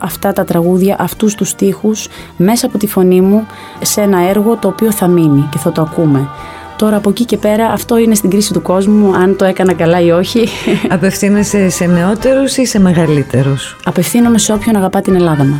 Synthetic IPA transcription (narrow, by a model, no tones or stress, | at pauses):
ɐft̪ɐt̪ɐt̪ɾɐɣuðʝɐʔɐft̪ust̪ust̪ixus | me̞sɐːpo̞t̪ifo̞nimu | se̞nɐe̞ɾɣo̞t̪o̞ːpio̞θɐminice̞θɐt̪oɐkume̞ | t̪o̞ɾɐːpocice̞pe̞ɾɐʔɐft̪o̞ine̞st̪iɡɾisit̪uko̞zmuɐnt̪o̞e̞kɐnɐkɐlɐio̞çiɐpe̞fθinesese̞ne̞o̞t̪e̞ɾusise̞me̞ɣɐlit̪e̞ɾus | ɐpe̞fθinome̞se̞o̞pço̞nɐɣɐpɐt̪ine̞lɐðɐmu